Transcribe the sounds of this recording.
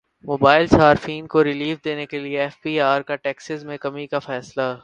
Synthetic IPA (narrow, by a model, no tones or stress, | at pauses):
moːbaːɪlsaːɾfiːnkoɾɪliːfd̪eːnekelieɛːfpiːaːɾkaʈɛːksɪzmẽkɐmikafɛːsla